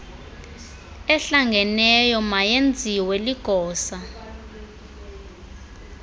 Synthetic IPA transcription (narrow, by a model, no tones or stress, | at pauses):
ɛɬaŋɡʱɛnɛjɔmajend͡zʱiwɛliɡ̥ʱɔːsa